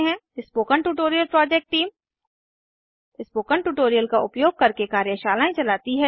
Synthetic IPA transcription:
ɦɛ̃ɪspoːkəɳʈuːʈoːɾijəlpɾɔːd͡ʒɛk̚ʈʈːiːm | ɪspoːkəɳʈuːʈoːɾijəlkaʔʊpjoːɡ̚kɐɾkekaːɾjəʃaːlaːẽt͡ʃɐlaːt̪iɦɛ

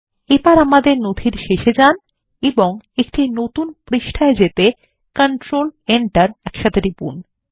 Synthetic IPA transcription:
epaɾamad̪eɾnod̪ʱiɾʃeʃed͡ʑan | eboŋek̚ʈinot̪unpɾiʃʈʰaed͡ʑet̪e | kəɳʈɾoleɳʈaɾɛkʃat̪ʰeɾipṵn

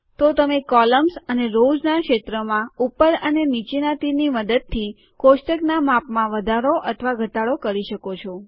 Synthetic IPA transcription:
t̪ot̪əmekɔləmsəneɾod͡ʒnakʃet̪ɾəmãupəɾənenit͡ʃinat̪iniməd̪əd̪̚t̪ʰːi | koʃʈəknamapmãʋəd̪ʱaɾoʔət̪ʰəʋaɡʱət̪aɭokəɾiʃəkot͡ʃʰɔ

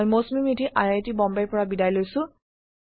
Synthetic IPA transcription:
jmosmimitʰiʔajajtibɔmbajpɔɹabidajlojsʊ̃

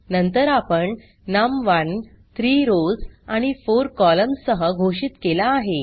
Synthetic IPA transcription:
nənt̪əɾapəɳ | namʋan | t̪ɾiːɾod͡zaɽ̃ifoɾkɔləmssːəɦəɡʱoɕiːt̪kelaːɦe

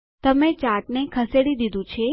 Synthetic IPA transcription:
t̪əmet͡ʃaʈnekʰəseɽid̪id̪ũt͡ʃʰe

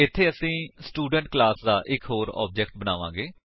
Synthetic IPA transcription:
ɪt̪ʰːeːəsĩːsʈuːɖəɳʈ̚klaːsd̪aːʔɪkɦoːɾɔ̰ːb̚d͡ʒɛːkʈ̚bənaːʋãːɡeː

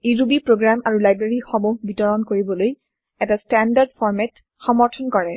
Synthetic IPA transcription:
iɹubipɹoɡɹamaɹulajbɹeɹixɔmoɡbitɔɹɔnkoɹibɔloj | ɛtastandaɹdfɔɹmɛt | xɔmɔɹtʰɔnkɔɹɛ

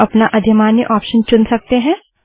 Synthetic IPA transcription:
ɐpnaʔɐd̪ʱjəmaːnjə̰ʔɔːpʃənt͡ʃʊnsɐk̚t̪eɦɛ̃ː

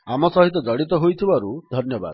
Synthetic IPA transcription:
amɔsɔɦit̪ɔd͡zɔɽit̪ɔɦojt̪ʰibaɾud̪ʱɔnjɔba̰d̪

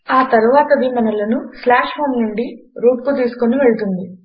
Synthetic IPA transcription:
aːt̪ɐɾuʋaːt̪ɐʋiːmɐnɐlɐnuslaːʂmɐmnuɳɖiɾuːʈ̚kut̪iːsu̥koniʋe̞ɭut̪und̪i

